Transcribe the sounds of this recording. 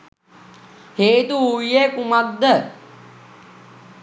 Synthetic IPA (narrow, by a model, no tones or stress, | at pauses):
heːt̪uuekumak̪d̪ə